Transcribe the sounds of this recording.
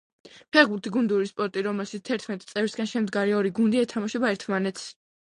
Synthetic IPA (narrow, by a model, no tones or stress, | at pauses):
pʰɛʁbuɾt̪ʰiɡund̪uɾispʼɔɾt̪ʼiɾɔmɛlˠʃit̪st̪ʰɛɾt̪ʰmɛt̪ʼt̪sʼɛvɾsɡanʃɛmd̪ɡaɾiɔɾiɡund̪iɛt̪ʰamaʃɔbaɛɾt̪ʰmanɛt̪s